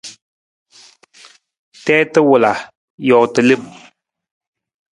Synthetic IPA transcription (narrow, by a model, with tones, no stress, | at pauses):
tɛː˦tɨ˦wʊ˨la˨ | jɔ˨tɨ˨lɨ˦˨m